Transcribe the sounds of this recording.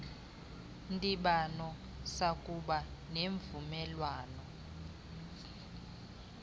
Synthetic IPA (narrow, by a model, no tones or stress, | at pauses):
ndʼiɓanɔ | sakʼuɓaneːɱvumɛlwaːnɔ